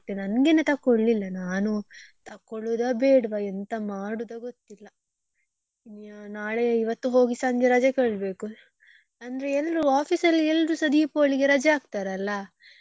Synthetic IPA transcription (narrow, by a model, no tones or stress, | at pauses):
t̪ːenɐnɡenet̪ɐkːoɭːilːɐnaːnut̪ɐkːoɭud̪ɐbeːɽʋɐɛnt̪ɐmaːɽud̪ɐɡot̪ːilːɐ | naːɭeiʋɐt̪ːuɦo̞ːɡisaːŋɡeɾɐd͡ʒɐkeːɭbe̞ːku | ɐnd̪ɐɾeɛlɾuaːpʰisɐlːiɛlɾusɐd̪ipoːɭiɡeɾɐd͡ʒɐaːɡ̚t̪aːɾeɐlːɐ